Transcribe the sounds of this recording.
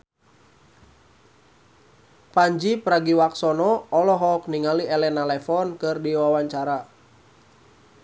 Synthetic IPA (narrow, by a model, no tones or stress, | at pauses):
paɲd͡ʒipɾaɡiwaksɔnɔɔlɔɦɔk̚niŋaliɛlɛnalɛfɔnkɨrdiwawaɲt͡ʃaɾa